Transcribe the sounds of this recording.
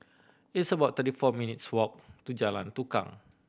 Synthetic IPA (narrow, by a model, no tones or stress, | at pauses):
ɪtsəbat̪əɾifɔminɪt̪̚swɔk̚t̪ud͡ʒala̰nt̪uka̰ŋ